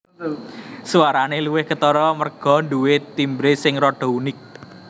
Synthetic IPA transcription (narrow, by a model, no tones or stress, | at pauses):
suwaɾaneluwɪhkət̪ɔɾɔmərɡ̥ɔ̤nɖuwet̪imbɾesɪŋrɔɖ̥ɔ̤unɪk̚